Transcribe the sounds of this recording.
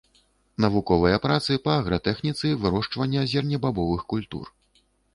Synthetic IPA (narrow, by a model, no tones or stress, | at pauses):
nɐvukɔvɐjɐpɾat̪sɨpɐːɣɾɐt̪ɛxnʲit̪sɨvɨɾɔʂt͡ʂvɐnʲːɐazʲɛrnʲɐbabɔvɨxkulʲt̪ṵr